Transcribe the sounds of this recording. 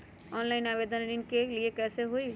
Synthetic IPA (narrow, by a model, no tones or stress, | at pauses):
ɔnlaɪinabed̪ənɾinkeliekɛseɦoj